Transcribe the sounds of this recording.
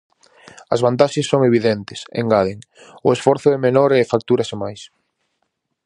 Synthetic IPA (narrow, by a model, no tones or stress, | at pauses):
ɐzβant̪aʃesːoŋeβ̞iðent̪ɪ̥sḛŋɡaðeŋ | ʊesfɔɾθʊemenoɾɛfak̚t̪uɾɐsemajs